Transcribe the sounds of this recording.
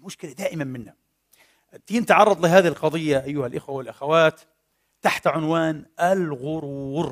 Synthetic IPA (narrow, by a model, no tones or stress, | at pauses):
mʊʃkɪlad̪aːʔɪmanmɪnha | t̪iːnt̪ʕɑrˤːɑd̪ˤlɪɦaːðihɪlqɑd̪ˤɨjːaʔajːʊhalʔɪxwawɪlʔaxawaːt̪ː | aħt̪ʕʊnwaːnʔalɣʊɾuːɾ